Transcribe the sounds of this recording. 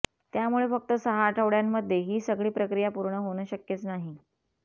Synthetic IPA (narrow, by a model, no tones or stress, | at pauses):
t̪jamuɭefək̚t̪əsəɦaʈʰəʋɭjamːəd̪ʱjeɦiːsəɡɭiːpɾəkɾijapuɾɳəɦoɳəːɕəkjet͡snaɦi